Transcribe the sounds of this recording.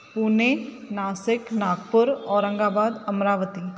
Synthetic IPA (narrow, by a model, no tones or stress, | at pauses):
puːneːnaːsɪknaːɡpʊɾɔːɾə̃ŋɡaːbaːd̪ɐmɾaːʋət̪i